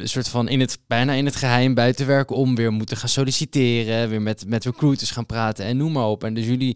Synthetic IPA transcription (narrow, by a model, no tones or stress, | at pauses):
sʊːɹtfɑnʔɪnətb̥ɛjnaːɪnɦətχəɦɛjmbœɥtəʋɛɹkəɔmʋɪːɹmutəχaːnsolisitɪːrəʋɪːɹmɛtmɛtɹəkrutəsχaːnpraːtənɛnːummaːɹɔpɛndɵsjɵli